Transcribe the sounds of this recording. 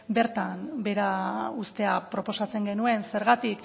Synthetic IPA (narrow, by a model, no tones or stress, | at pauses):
be̞ɾt̪anbe̞ɾaust̪e̞apɾo̞po̞sat͡se̞ŋɡe̞nue̞nse̞ɾɣat̪ik